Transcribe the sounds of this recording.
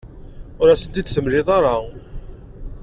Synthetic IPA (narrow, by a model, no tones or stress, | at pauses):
ʊɾæsənd̪id̪θəmlɪðˤɑɾˤɑ